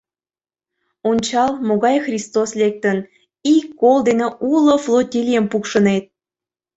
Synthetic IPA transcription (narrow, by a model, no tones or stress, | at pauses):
onʲt͡ɕɑlmoɣɑjxrʲist̪oslek̚t̪ən | ikːold̪eneʔuloflˠotʲilʲijəmpukʃə̆net̪̚